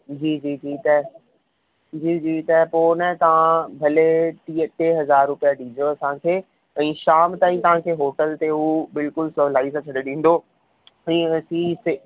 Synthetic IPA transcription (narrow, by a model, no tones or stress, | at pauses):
d͡ʑiːd͡ʑiːd͡ʑiːt̪ɐ | d͡ʑiːd͡ʑiːt̪ɐɦpoːnat̪ɐʋ̤ãbʱɐleʈiːəʈeɦɐzaːɾːʊpijaɗĩːd͡ʑoɐsãkʰeː | ɛ̃ːʃaːmt̪aːĩt̪ɐʋ̤ãkʰeːɦoːʈəlt̪eɦubɪlkʊlsɐʋlaːɪzat͡ɕʰɐɽeɗĩːn̆d̪o | ɛ̃ːɐsĩse